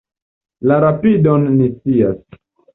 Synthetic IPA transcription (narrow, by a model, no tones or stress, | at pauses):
laɾapidonːist͡sia̰s